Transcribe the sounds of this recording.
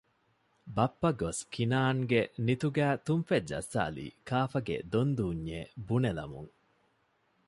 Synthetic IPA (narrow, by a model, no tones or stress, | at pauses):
bɐpːɐɡoskinaːŋɡenit̪uɡæːt̪umfed͡ʒɐ̰sːa̰ːlḭːkʰaːfɐɡḛd̪ond̪uːɲːeːbunelɐ̰mṵŋ